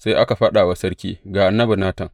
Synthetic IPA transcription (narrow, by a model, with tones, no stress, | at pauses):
sa˦jʔa˦ka˨ɸɐ˦ɗaː˨wa˦sɐ˦ɽkʲḭː˦ɡaː˨ʔa˨nːɐ˦bɐ˨naː˦tɐ˨ŋ